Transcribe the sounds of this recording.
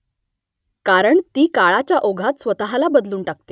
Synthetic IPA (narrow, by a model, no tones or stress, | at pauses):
kaɾəɳt̪iːkaɭat͡ɕjaʔoɡʱat̪sʋət̪aɦalabəd̪luːɳʈak̚t̪e̥